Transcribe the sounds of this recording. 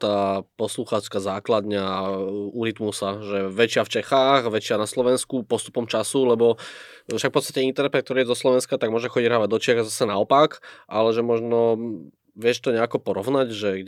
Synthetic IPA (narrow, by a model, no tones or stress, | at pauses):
t̪aːpɔsluxaːt͡ʃkazaːklad̪ɲɛ | uɾit̪musaʒɛʋɛt͡ʃɪaft͡ʃɛxaːɣʋɛt͡ʃɪanaslɔʋɛnskupɔst̪u̥pɔmt͡ʃasulɛbɔ | fʃakfpɔt̪st̪ḁcɛint̪ɛɾnɛpɛtkt̪ɔɾiːjɛzɔslɔʋɛnskat̪aɡmɔʒɛxɔɟiɟɾaʋɛd̪ɔt͡ʃɪaɣazasɛnaɔpakʔalɛʒɛmɔʒnɔ | ʋɪɛʃt̪ɔɲɛakɔpɔɾɔʊnaɟʒɛɡ